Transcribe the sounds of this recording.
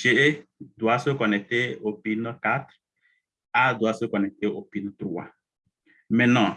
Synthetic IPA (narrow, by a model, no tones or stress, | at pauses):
t͡ʃeed̪wasokɔnɛt̪eopinɔkat̪ɾ | ad̪wasokɔnɛt̪eopinɔt̪ɾwa̰ | mɛnɔ̃